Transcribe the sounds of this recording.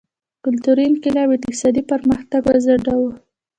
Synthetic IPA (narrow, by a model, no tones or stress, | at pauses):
kʊlt̪uɾinkɪlɑbet̪sɑd̪ipəɾməxt̪aɡwazaɖawu